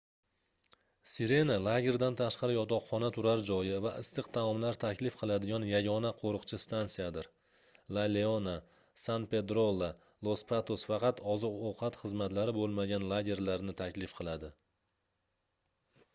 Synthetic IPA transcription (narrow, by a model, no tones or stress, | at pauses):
siɾe̞nalˠaɡʲe̞ɾd̪ant̪ʰaʃqɑɾɪjɒt̪ɒqχɒnat̪ʰʊɾaɾd͡ʒɒjɪvaʔɪst̪ɨqt̪ʰamɒmlaɾt̪ʰakʲlɪfqʰɨlˠad̪ɪɡʲanjaɡʲɒnaqʰoɾɨqt͡ʃʰɪst̪ansijad̪ɪɾ | laleona | sanpe̞d̪ɾolˠːa | lˠospʰat̪osfɑqɑt̪ʰɒzɨqowqʰɑt̪χɨzmat̪laɾɪbolˠmaɡʲanlˠaɡʲe̞ɾlaɾnɪt̪ʰakʲlɪfqʰɨlˠad̪ɪ